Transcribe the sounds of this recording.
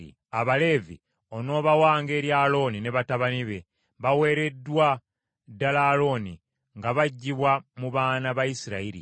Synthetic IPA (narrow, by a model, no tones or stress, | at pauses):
ḭ | aβale̞vḭ | o̞no̞ːβawaːŋɡe̞ːɾjalo̞nine̞βataβaniβe̞ | βawe̞ːɾe̞dːwa | dːalaːlo̞ːni | ŋɡaβaɟːiβwamuβaːnaβajisiɾaiɾḭ